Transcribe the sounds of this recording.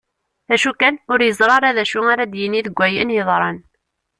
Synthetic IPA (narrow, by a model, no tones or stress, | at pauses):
æʃukænʊɾjəzˤɾˤɑɾˤæðæʃʊŋaɾæd̪jəniðəɡʷːæjənjəðˤɾˤɑn